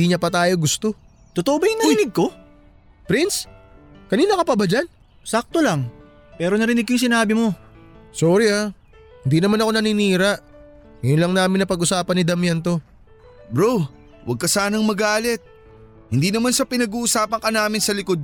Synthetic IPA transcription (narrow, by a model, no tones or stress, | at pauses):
iɲɐpɐt̪aːjo̞ɡʊst̪o̞ | t̪ot̪oʔobajŋnɐɪnɪɡ̚ko̞ | pɾinskɐniːnɐkɐpɐbad͡ʒan | sak̚t̪olaŋ | pɛːɾo̞nɐɾɪnɪɡ̚kːojŋs̬ɪnaːbɪmo̞soɾɪa | hɪnd̪iːnɐmanɐko̞nɐniniːɾɐʔ | jʊnlɐŋnaːmɪnɐpɐɡʔʊsaːpɐnɪd̪ɐmjɛnt̪o̞ | bɾow | wʔɐ̰ɡ̚kɐsaːnɐŋmɐɡaːlɛt̪̚ | hɪnd̪iːnɐmansɐpɪnɐɡuːʔʊsaːpɐŋkɐnaːmɪnsɐlɪkod̪̚